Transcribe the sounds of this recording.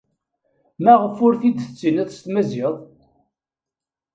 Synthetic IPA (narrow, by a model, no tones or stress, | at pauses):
mæʁəfʊɾθid̪θət͡sːinæðst̪mæzɪðˤ